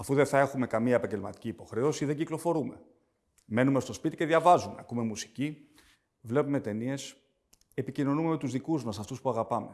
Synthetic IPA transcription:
ɐfuðeθɐe̞xume̞kɐmiɐepɐɲɟe̞lmɐt̪i̥ciːpo̞xɾe̞osiðeɲɟiklo̞fo̞ɾume̞̰ | me̞numest̪o̞spit̪ice̞ðʝɐvɐzumeɐkume̞musi̥ci | vle̞pume̞t̪e̞nie̞s | e̞picino̞numemet̪uzðikuzmɐsɐft̪uspuɐɣɐpɐme̞

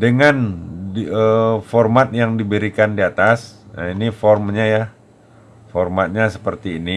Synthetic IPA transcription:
dəŋan | əfɔrmat̪̚jaŋdibəɾikandiat̪asinifɔrmɲaja | fɔrmat̪̚ɲasə̥pərt̪iːni

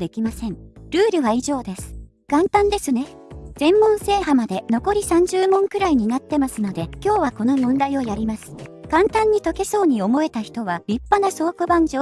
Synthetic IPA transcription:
d̪e̞kʲimasẽ̞ŋɾɯ̟ːɾɯ̟βaiʑo̞ːd̪e̞sɨ̥ | kãnt̪ãnd̪e̞sɨne̞ | z̥ẽ̞mːõ̞ɰ̃se̞ːhamad̪e̞no̞ko̞ɾʲisãɲ̟d͡ʑɨːmõ̞ŋkɯ̟ɾaiɲ̟inat̪ːe̞masɨno̞d̪e̞kʲo̞ːβako̞no̞mõ̞nd̪aio̞jaɾʲimasɨ̥kãnt̪ãɲ̟ːit̪o̞ke̞so̞ːɲ̟io̞mo̞e̞t̪açi̥t̪o̞β̞aɾʲipːanaso̞ːkɯ̟bãɲ̟d͡ʑoː

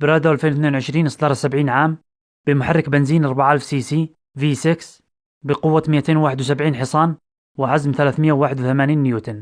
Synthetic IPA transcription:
bɪɾɑːd̪awʔalfeːnwθneːnwʕɪʃɾiːnʔɪsd̪ɑːɾˤɑsabʕiːnʕaːm | b̥ɪmʊħarˤːɪkbɪnziːnʔɑɾˤbaʕʔalfsiːsiː | viːsɪks | bɪqʊwːamɪjʔat̪eːnwaːħɪd̪ws̬abʕiːnħɪsˤɑːn | wɪʕazmθalaːθmɪjʔːawaːħɪd̪wθamaːniːnːɪjuːt̪ɪn

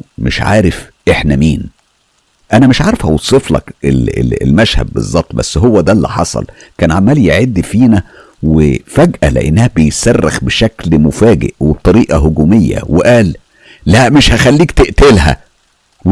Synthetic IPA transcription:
meʃʕa̰ːɾefʔeħnæmiːn | ʔænæmeʃʕɑːɾˤfæ̰wosˤeflɑ̰kelḛḛlmæʃhæ̰b̪̚bḛzˤːɑb̚t̪ˤbæ̰sːɦowːæd̪ælːḭħɑ̰sˤɑ̰lkæːnʕamæːljeʕed̪ːifiːnæ | wefæɡʔæ̰lḛʔḛnːæhæbejsærːexbeʃæklmofæːɡḛʔweb̚t̪ˤɑɾiːʔɑɦoɡuːmejːæ̰weʔæːlː | æʔmeʃhæxælːiːkt̪eʔt̪elhæ̰

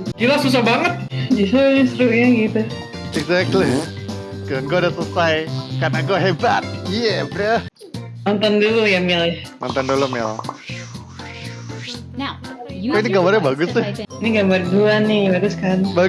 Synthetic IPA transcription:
d͡ʒilasus̬ahbaŋət̪̚d͡ʒisɾuisɾuʔɲaɡit̪u | ɛɡzɛk̚tli | kaŋɡoadasəsajkanaŋɡoɦebat̪̚ijɛbɾɛ | nɔnt̪ɔndulujamɪlhnɔ̰nt̪ɔndulumɪl | koiniɡambarɲabaɡʊsɛiniɡamarduanɪbaɡʊskanba

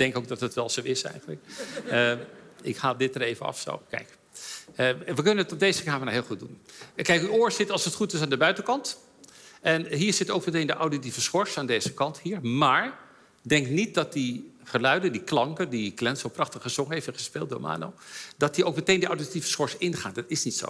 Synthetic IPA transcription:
d̥ɛŋkowk̚dɑtətʋɛlˠzowɪsɛ̰jχənləkəɪkhaːlˠdɪt̚əɾejvənɑ̰fso̰wkɛ̰jk | əʋəkɵnənətɔb̚dejzəkaːmənaɦɪːlˠχud̚unkɛjkyoːɹsɪtɑlˠsətχutɪs̬aːndəbœɥtəkɑnt | ɛnɦiːɹzɪtowkmətejndəʔawditivəsχɔɹsaːndejzəkɑnthiːɹmaːɹ | dɛŋknit̚dɑt̚diχəlœɥdəndiklɑŋkədiklɛntsowprɑχtəχəzɔŋəɦejftɛnχəspeːlˠt̚do̰ɹma̰ːno̰wdɑt̚diowk̚mətejndəʔawditivəsχɔɹsɪnχaːndɑtɪsnitso̰w

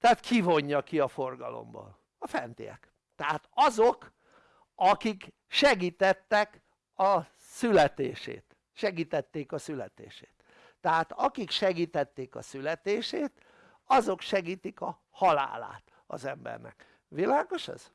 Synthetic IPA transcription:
t̪ɛat̪kʰivo̞ɲːɒkiɒfo̞rɡɒlo̞̰mbɒ̰n | ɒfɛnt̪ijɛ̰k | t̪ɛɦaːt̪ɒzo̞k | ɒkik | ʃɛɡiːt̪ɛt̪ːɛk | ɒ | sylɛt̪eːʃḛːt̪ | ʃɛɡiːt̪ɛt̪ːeːkɒsylɛt̪ḛːʃeːt̪ː | ɛɦat̪ɒkikʃɛɡiːt̪ɛt̪ːeːkɒ̰sylɛt̪eːʃeːt̪ | ɒzo̞kʃɛɡiːt̪ikɒ | hɒla̰ːla̰ːt̪ | ɒ̰zɛmbɛ̰rnɛ̰k | ʋilaːɡo̞ʃɛ̰z̥

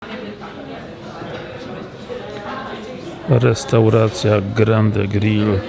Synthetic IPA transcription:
ɾɛst̪awɾaːt̪sɪaɡɾand̪ə̰ɡɾiːl

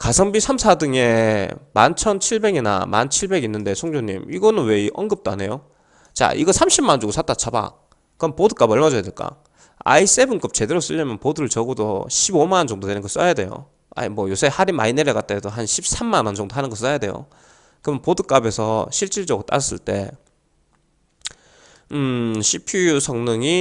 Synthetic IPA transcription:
kasʰʌŋbisʰamsʰadɯŋe̞mant͡ɕʰʌnt͡ɕʰiɭbe̞ɡina̰ma̰nt͡ɕʰiɭbe̞ɡinːɯnde̞sʰoŋd͡ʑoɲḭmiɡʌnɯnwe̞iʔʌnɡɯp̚t͈oane̞jo | t͡ɕa̰ʔḭɡʌsʰamɕʰimːand͡ʑuɡosʰat͈at͡ɕʰaba̰ | kɯpodɯk͈abʌɭmad͡ʑʌjadeɭk͈a̰ | a̰is͈e̞bɯnk͈ɯp̚t͡ɕe̞deɾos͈ɯʎːʌmjʌnpoduɾɯɭt͡ɕʌɡodo̰ɕʰibomant͡ɕʌŋdodwe̞nɯnɡʌs͈ʌjade̞̰jo̰ | a̰imwʌjosʰehaɾimaineɾekat̚t͈edoɦanɕʰip̚sʰamːanʌnt͡ɕʌŋdoanɯnɡʌs͈ajade̞̰jo̰ | kɯmʌnpodɯk͈abe̞sʰʌɕʰiɭt͡ɕ͈iɭd͡ʑʌɡɯɾot͈a̰ʌs͈ɯ̰ɭt͈e̞ | ɯɕʰipʰijusʰʌŋnɯŋi

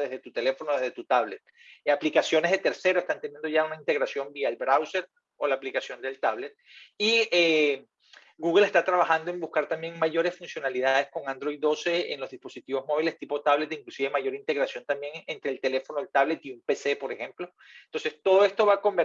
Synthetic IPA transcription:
ðezðe̞t̪ut̪e̞le̞fo̞noðezðet̪ut̪aβle̞t̪̚ | aplikasjo̞ne̞zðe̞t̪e̞ɾse̞ɾoest̪ant̪enjend̪o̞ʝaunaint̪e̞ɣɾasjo̞mbiaelbɾawse̞ɾ | o̞laːplikasjo̞nd̪elt̪aβle̞t̪̚ie | ɡuɣele̞st̪at̪ɾaβaxand̪o̞e̞mbuskaɾt̪ambje̞ŋmaʝo̞ɾe̞sfunsjo̞naliðaðe̞sko̞ŋand̪ɾo̞jd̪o̞seḛnlo̞zðispo̞sit̪iβo̞zmo̞β̞ile̞st̪ipo̞t̪aβle̞t̪iŋklusiβemaʝo̞ɾint̪e̞ɣɾasjo̞nt̪ambje̞ŋent̪ɾeːlt̪e̞le̞fo̞noelt̪aβle̞t̪iumpese̞po̞ɾexemplo̞ | nt̪o̞nse̞st̪o̞ðo̞e̞st̪o̞βako̞mbeɾ

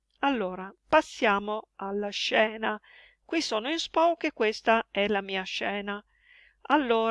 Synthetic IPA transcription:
alːoːɾapasːjaːmoalːaʃːɛːna | kwisoːnoinspɔwkekːwest̪aɛlamiːaʃɛːna | alːoːɾ

